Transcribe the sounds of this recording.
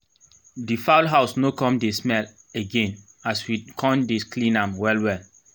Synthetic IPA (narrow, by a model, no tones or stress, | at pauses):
difaʊlɦaʊsnokɔ̃mdesmɛl | eɡẽn | aswikʰɔ̃ndeklĩnãmwɛlwɛl